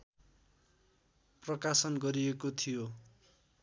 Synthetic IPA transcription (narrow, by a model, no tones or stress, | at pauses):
prʌkasʌnɡʌɾiekot̪ʰijo